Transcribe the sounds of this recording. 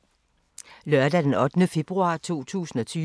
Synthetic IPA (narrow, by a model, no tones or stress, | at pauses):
lɶɐdæd̥enɒ̽d̥nəfe̝b̥ʁuɑ̰̈ːt͡sʰo̝̰ːt͡sʰṵːsn̩ɒ̽t͡sʰyː